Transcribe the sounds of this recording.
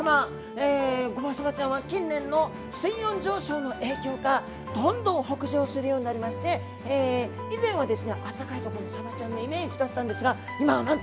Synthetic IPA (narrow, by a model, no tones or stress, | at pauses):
ama | eːɡo̞masaβat͡ɕãɰ̃βakʲĩnːẽ̞nːo̞ | sɨijõ̞ɲd͡ʑo̞ːɕo̞ːno̞ʔe̞ːkʲo̞ːka | d̪õ̞nd̪õ̞ɰ̃ɦo̞kɯ̟ʑoːsɨɾɯ̟jo̞ːɲ̟inaɾʲimaɕi̥t̪e̞ː | izẽ̞ɰ̃βad̪e̞sɨne̞ʔat̪ːakait̪o̞koɾomosabat͡ɕãnːo̞ime̞ːʑid̪at̪ːãnd̪e̞sɨɡa | imanãnt̪